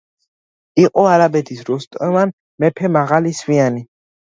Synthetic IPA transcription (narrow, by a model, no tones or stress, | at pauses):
iqʼɔaɾabɛt̪ʰisɾust̪ʼɛman | mɛpʰɛmaʁalisviani